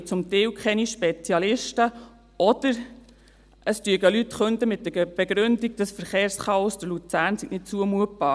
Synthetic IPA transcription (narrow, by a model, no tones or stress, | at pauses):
t͡sʊmt̪ɛwkχɛniʃpɛt͡sjɑlɪʃtə | ɔd̪̥əɾ | ʔəst̪yəɡəlyt̪χɵnd̪əmɪt̚dəb̥ɛɡɾʏndiɡ̚d̥əsfəɾχeːɾsχɑɔsdəlut͡sæːɾnsiknɪtt͡suəmuət̚b̥ɑː